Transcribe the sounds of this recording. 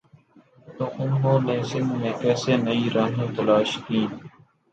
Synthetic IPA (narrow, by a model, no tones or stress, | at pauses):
t̪oːʔʊnɦoːnẽːsɪnneːkɛːseːnəiːɾʔaːɦẽːt̪ɐlaːʃkĩː